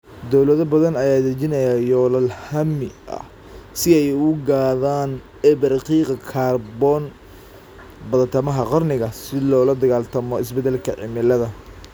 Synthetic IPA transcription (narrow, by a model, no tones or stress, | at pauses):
d̪ɔwlɐðɔbɐðɐnɐjaːd̪ɐrt͡ʃɪnɐjaːjɔːlɐlhɐmɪʔɐ̰ | sɪɛjʊɡaːðaːn | ɛbɐɾqiːqɑkʰaːrbɔːn | bɐðɐt̪ʰɐmɐɦɐqɑrnɪɣɐsɪlɔːlɐd̪ɐɣaːlt̪ʰɐmɔɪsbɛd̪ɛlkʰɐ̰ʕɪ̰mɪlɐðɐ